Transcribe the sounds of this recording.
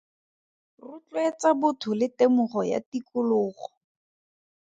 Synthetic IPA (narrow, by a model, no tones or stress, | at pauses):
rʊt͡ɬwet͡sabʊtʰʊlɪtemʊχɔja̰tikʊlʊːχɔ̥